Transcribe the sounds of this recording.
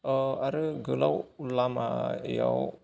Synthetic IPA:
əaɾəɡəla̰wulamaja̰w

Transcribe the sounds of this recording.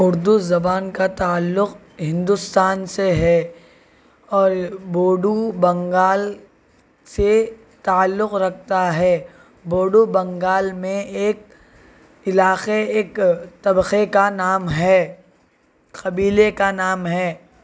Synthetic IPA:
ʊɾd̪uzɐbaːnkat̪aːlːʊq | ɦɪ̃nd̪ʊst̪aːnseɦɛ | ɔːɾboːɖubɐ̃ŋɡaːl | se | t̪aːlːʊqɾɐk̚ʰt̪aɦɛː | boːɖubɐ̃ŋɡaːlmẽeːk̚ | ɪlaːxeeːkt̪ɐbxekanaːmɦɛː | qɐbiːlekanaːmɦɛː

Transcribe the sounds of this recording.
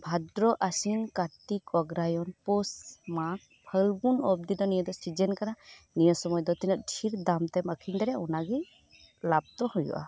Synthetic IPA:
bʱad̪ɾɔʔasinkat̪ikɔɡɾajɔnposmak̚ | pʰəlbunɔb̚d̪id̪ɔnijəd̪ɔsid͡ʒɛnkaɾa | nijəsɔmɔjd̪ɔt̪inɔʔ̪̚ʈʰiɾd̪amt̪ɛməkʰind̪ɛɾɛɔnaɡi | lab̚t̪ɔhujṵʔa̰

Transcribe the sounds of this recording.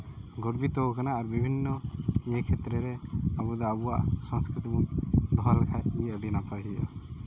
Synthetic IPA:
ɡɔɾbit̪ɔukanaːɾbibʱinːɔekʰɛt̪ɾɛɾɛabud̪ɔabuwa̰ʔsɔ̃ŋskɾit̪imund̪ʱɔɾkʰajiəɖinapaɦiɔ̰

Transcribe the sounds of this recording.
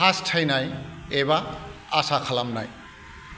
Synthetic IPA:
ãstʰajnajejβaasakʰalamna̰j

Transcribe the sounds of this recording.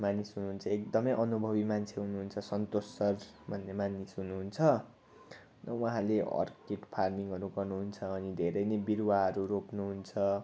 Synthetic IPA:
manisɦunuɦunt͡sʰʌekd̪ʌmʌjʔʌnubʱʌβimant͡sʰeɦunuɦunt͡sʰʌsʌnt̪osʌrbʱʌnːemanisɦunuɦunt͡sʰʌ | nʌwuɦãleʔʌ̰rkeʈpʰarmiŋɡʌɾuɡʌrnuɦunt͡sʰʌːnid̪ʱeɾʌjnebiɾwaɦʌɾuɾopnuɦunt͡sʰʌ

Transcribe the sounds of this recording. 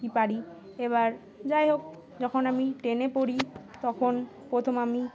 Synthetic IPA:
ipaɾi | eβaɾ | d͡ʑaeɦok̚ | d͡ʑɔkʰonamiʈenepoɾit̪ɔkʰon | pɾot̪ʰomami

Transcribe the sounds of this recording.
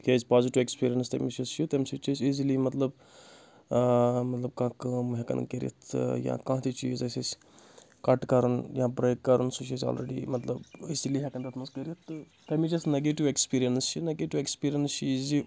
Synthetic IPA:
kezpaːziʈiʋekspiːɾijɐnst̪ɐmit͡ʃist͡ʃʰit̪ɐmsit͡ʃisizilimɐt̪lɐb | mɐt̪lɐb̚kãːkɐːmɦekɐ̰nkeɾḭt̪ʰjã̰ːkãːt̪it͡ʃiːzɐsis | kɐʈkɐɾɐnjãːbɾɐjkːɐɾunsut͡ʃʰisa̰ːlɾeɖḭmɐt̪lɐbisiliɦɛkɐnd̪ɐt̪ʰmɐnskeɾit̪ːɨ | t̪ɐmit͡ʃisneɡeʈiʋekspiːɾijɐnst͡ʃʰineɡeʈiʋekspiːɾijɐnst͡ʃiːzi

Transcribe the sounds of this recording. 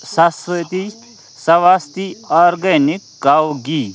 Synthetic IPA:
sasʋɐt̪i | sɐʋast̪iɔɾɡɐnikɡawɡi

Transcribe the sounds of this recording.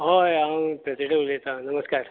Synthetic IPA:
ɦojampɾɐsiʈiblet̪anɐməskaːɾ

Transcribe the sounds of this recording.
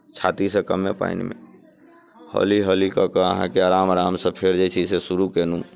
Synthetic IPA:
t͡ʃʰat̪isə̃kəmepa̰inmḛ̃ | hɔ̰liɦɔlikəkəəɦã̰keaːɾaːmɾaːmsəpʰeɾd͡ʒet͡ʃʰisesuɾukenũ

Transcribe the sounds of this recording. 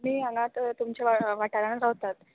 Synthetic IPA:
miːãŋɡãt̪t̪umt͡ɕjaaʋaʈaɾanaɾaʋt̪at̪

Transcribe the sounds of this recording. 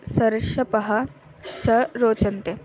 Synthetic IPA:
sɐɾɪʂjɐpɐɦɐ | t͡ɕɐɾoːt͡ʃɐnt̪e

